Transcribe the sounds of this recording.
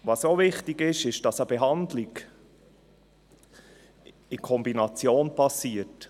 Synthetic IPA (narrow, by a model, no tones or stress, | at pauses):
ʋɑsovɪχtiɡɪʃɪʃd̥ɑsəbɛɦɑnd̪lɪɡ | ɪkʰɔmbinɑt͡sjoːnpɑsiːət